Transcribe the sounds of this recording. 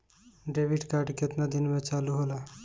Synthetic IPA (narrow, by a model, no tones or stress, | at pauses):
ɖeʋiɖkaɾɖket̪nad̪inmẽt͡ʃaluɦola